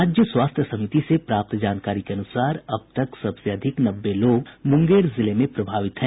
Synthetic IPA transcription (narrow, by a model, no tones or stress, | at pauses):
aːd͡ʒjəswaːst̪ʰjəsɐmɪt̪isepɾaːp̚t̪d͡ʒaːnkaːɾikeɐnʊsaːɾɐb̚t̪ɐksɐbseɐd̪ʱɪknɐbːeloːɡmʊ̃ŋɡeːɾzɪlemẽpɾɐbʱaːʋɪt̪ɦɛ̃ː